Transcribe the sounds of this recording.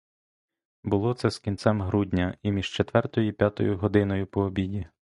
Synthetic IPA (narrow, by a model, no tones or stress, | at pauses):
bʊlˠɔt̪sɛskʲint̪sɛmɦɾudʲnʲɐimʲiʒ̥t͡ʃet̪ʋɛrt̪ɔjʊipʲjat̪ɔ̰jʊɦɔd̪ɪnɔjʊpɔːbʲidʲi